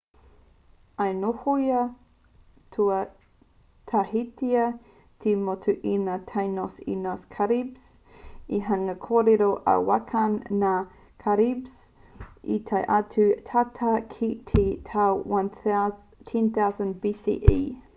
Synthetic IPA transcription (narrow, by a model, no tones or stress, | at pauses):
ɐjnohoiɐ | tʰuɐ | tʰɐɦitʰiɐ | tʰimotʰuʔinatʰajnosḭnoskʰaɾibs | iɦɐŋɐkʰoːɾeɾoʔɐ̰wakʰɐnːa | kʰaɾibs | ḭtʰɐjʔɐtʰʉtʰatʰakʰitʰitʰawwan | tʰɛnθawzə̃nbisḭʔḭ